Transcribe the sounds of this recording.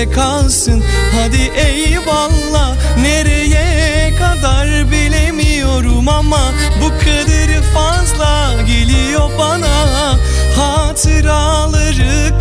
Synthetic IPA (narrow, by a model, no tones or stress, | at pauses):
ɛkʰalˠsɯnhad̪iʔɛjbalˠːaneɾɛjɛkʰad̪aɾbilʲemijo̞ɾumama | bukʰɯd̪ɯɾɯfazlˠa | ɟelʲijo̞bana | hat̪ʰɯɾa | lˠɯɾɯ | k̚